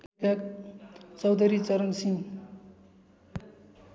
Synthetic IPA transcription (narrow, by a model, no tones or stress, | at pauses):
kak | t͡sʌwd̪ʱʌɾit͡sʌɾʌnsiŋ